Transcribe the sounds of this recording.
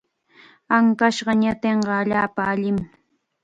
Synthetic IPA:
aŋkaʃɢɑɲat̪eɴɢɑːʎaːpaːʎɪm

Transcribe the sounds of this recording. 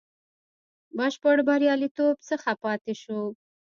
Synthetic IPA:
baʃpoɽbaɾjɑlit̪obt͡səxapɑt̪eʃu

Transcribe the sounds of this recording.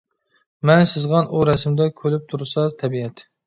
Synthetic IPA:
mɛnsɨzʁɑnʔuɾɛsmd̪ɛkʲʰølyp̚t̪ʰuɾsɑt̪ʰɛbiɛt̪

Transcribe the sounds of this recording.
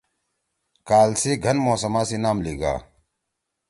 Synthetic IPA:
kaːlsiːɡʱɐnmoːsɐmaːsinaːmliːɡa̰ː

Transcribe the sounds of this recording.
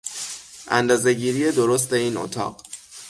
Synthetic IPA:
ʔæ̰nd̪ɒːze̞ɟiːɾije̞d̪oɾos̬t̪e̞iːno̰t̪ʰɒ̰ːɢ̥

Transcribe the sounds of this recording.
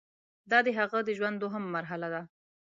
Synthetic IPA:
d̪ɑd̪əɦaɣəd̪əʒwand̪oɦamːaɾɦalad̪a

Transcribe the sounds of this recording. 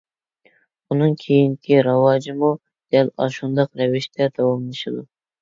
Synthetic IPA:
unɨŋkʲʰejinkʲʰiɾɑwɑd͡ʒimu | d̪̥ɛlɑ̰ʃund̪ɑqɾɛvɪʃt̪ʰɛd̪ɑwɑmlˠɨʃɨd̪u

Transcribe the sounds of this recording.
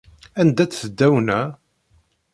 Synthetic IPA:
ænd̪æt͡sθəd̪ːæwnæ

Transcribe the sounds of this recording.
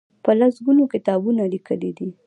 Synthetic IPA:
pəlasɡunokɪt̪ɑbunalikʰəlid̪i

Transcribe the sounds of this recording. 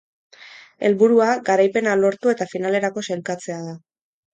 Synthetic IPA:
e̞̰lβuɾuaɡaɾajpe̞nalo̞ɾt̪ue̞t̪afinale̞ɾako̞selkat͡se̞aða

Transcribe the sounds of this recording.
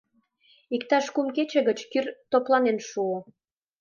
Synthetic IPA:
ikt̪ɑʃkumket͡ɕĕɣət͡ɕkyrt̪oplɑnenʃuo

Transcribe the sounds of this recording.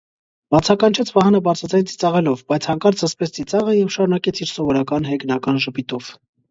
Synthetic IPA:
b̥ɑt͡sʰɑkɑnt͡ʃʰɛt͡sʰvɑhɑnəbɑɾt͡sʰɑd͡zɑjnt͡si̥t͡sɑʁɛlɔvbɑjt͡sʰhɑŋkɑɾt͡sʰəspɛt͡sʰt͡sit͡sɑʁəjɛvʃɑɾunɑkɛt͡sʰiɾsɔvɔɾɑkɑnɦɛɡnɑkɑnʒəpit̪ɔv̥

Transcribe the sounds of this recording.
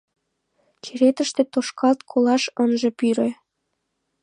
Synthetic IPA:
kʰeɾet̪ə̆ʃt̪ĕt̪oʃkɑlt̪kʰolɑʃɤnʒĕpyɾĕ

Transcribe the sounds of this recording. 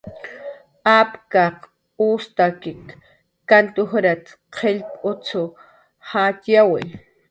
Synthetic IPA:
apkaq | ust̪akɪkː | ant̪ʊxɾat̪ | qʰeʎpʼʊt͡sʰʊ | hat̪jawɪ̰

